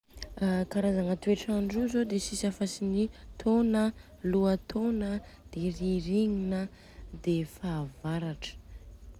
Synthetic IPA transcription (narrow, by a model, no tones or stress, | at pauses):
kaɾazaŋət̪ueʈ͡ʂaɳɖ͡ʐuzod̪esisafasinit̪ʰonə | luat̪ʰonəd̪̥eriɾiɲinə | d̪efaːvaɾaʈ͡ʂə̥